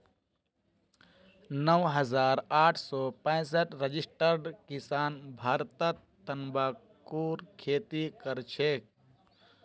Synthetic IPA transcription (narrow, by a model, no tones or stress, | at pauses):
nəwɦəzaːɾaːʈʰsɔːpɛ̃səʈɾəd͡ʒisʈəɾɖkisaːnbʱaːɾt̪ə | ənbaː | kuːɾkʰeːt̪ikəɾt͡ʃʰek̚